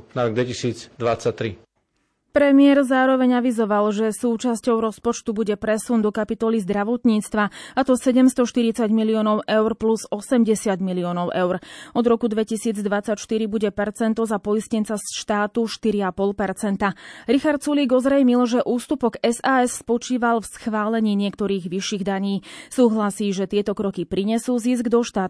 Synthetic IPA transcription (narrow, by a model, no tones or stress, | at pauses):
naɾɔɡ̚d̪ʋɛcisiːd͡zd̪ʋat͡sːac̚t̪ɾi | pɾɛmɪɛɾzaːɾɔʋɛɲaʋizɔʋalʒɛsuːt͡ʃascɔʊɾɔspɔt͡ʃt̪ubuɟɛpɾɛsund̪ɔkapit̪ɔlizd̪ɾaʋɔt̪ɲiːt͡st̪ʋaat̪ɔsɛɟɛmst̪ɔʃt̪iɾit͡saɟmiliɔːnɔʊʔɛʊɾpluzɔsɛmɟɛsɪaɟmiliɔːnɔʊʔɛʊɾɔd̪ɾɔkud̪ʋɛcisiːd͡zd̪ʋat͡sːacʃt̪iɾibuɟɛpɛɾt͡sɛnt̪ɔzapɔiscɛnt͡sasʃt̪aːt̪uʃt̪iɾiapɔlpɛɾt͡sɛnt̪aɾixaɾt̪̚suliːɡɔzɾɛjmilʒɛʔuːst̪upɔɡɛzaːɛsspɔt͡ʃiːʋalfsxʋaːlɛɲiːɲɪɛkt̪ɔɾiːɣʋiʃiːɣd̪aɲiːsuːɦlasiːʒɛt̪ɪɛt̪ɔkɾɔkipɾiɲɛsuːzisɡd̪ɔʃt̪aːt